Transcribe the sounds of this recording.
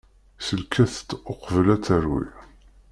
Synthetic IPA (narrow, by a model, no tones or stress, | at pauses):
səlkʰæθt̪ːoqvəlæt͡sːəɾwḭ